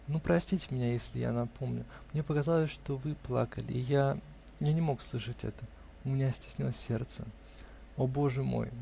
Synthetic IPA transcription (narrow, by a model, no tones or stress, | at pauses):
nupɾɐsʲtʲitʲɪmʲɪnʲajesʲlʲɪja̰nɐpʰo̞mnʲʊ | mnʲe̞pəkazalˠəsʲʂt̪o̞vɨplˠa̰kəlʲɪ̰ːja | janʲɪmo̞kslˠɨʂɨtʲɛ̰t̪ə | ʊmʲɪnʲasʲtʲɪ̥sʲnʲilˠəsʲːe̞̰rt̪sə | o̞bo̞ʐɨmo̞̰j